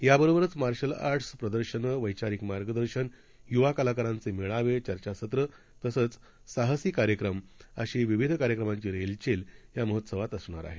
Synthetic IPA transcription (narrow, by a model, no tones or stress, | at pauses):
jabəɾobəɾət͡smaɾɕəla̰ɾʈʰspɾəd̪əɾɕənəʋəjt͡ɕaɾikmaɾɡəd̪əɾɕən | juʋakalakaɾãnt͡semiɭaʋet͡ɕəɾt͡ɕasət̪ɾə | t̪əsət͡s | saɦəsiːkaɾjəkɾəməɕiːʋiʋid̪ʱkaɾjəkɾəmãɲt͡ɕiːɾelt͡ɕeljaməɦət̪səʋat̪əsɳa̰ɾa̰ɦe